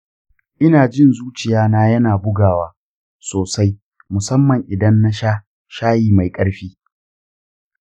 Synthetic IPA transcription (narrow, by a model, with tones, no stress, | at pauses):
ʔɪ˦naː˨d͡ʒɪ˦nzuː˦t͡ʃɪ˨jaː˦naː˦jɐ˦naː˨bʊ˦ɡaː˨waː˦ | soː˨sa˦j | mʊ˨sɐ˦mːɐ˨ŋʔɪ˨dɐ˦nːa˦ʃa˦ | ʃaː˦jiː˨ma˨jkʼɐ˦ɽɸiː˦